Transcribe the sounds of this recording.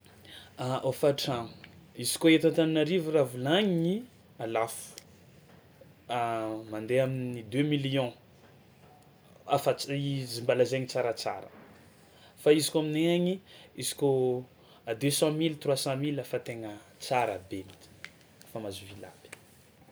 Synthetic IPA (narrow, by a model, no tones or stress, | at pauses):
aʔofaʈ͡ʂaŋizi̥koet̪ãnt̪aninaɾivuravulaɲini | alafu̥ | mãnd̪eaminid̪ømiliɔ̃ | afaizimbalazeɲit͡saɾət͡sa̰ɾə̰ | faizi̥kʲamineaɲiizi̥ko | ad̪øsɑ̃milt̪rwasɑ̃milafat̪eŋət͡saɾabenit̪i̥ | famazuvila̰bi̥